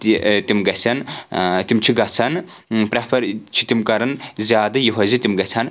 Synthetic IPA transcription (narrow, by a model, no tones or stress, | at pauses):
t̪it̪imɡɐsʰʲɐnt̪imt͡ʃʰiɡɐt͡sʰɐnpɾɐpʰɐɾt͡ʃʰit̪imkɐɾɐnzʲjaːd̪ɐjiɦɐzit̪ʲimɡɐt͡sʰɐn